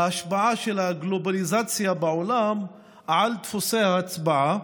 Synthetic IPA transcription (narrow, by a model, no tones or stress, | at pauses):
aaʃbaʕaʃelhaɡlo̞balizat͡sjabeʕolam | ʕalt̪fosehaːt͡sbaʕa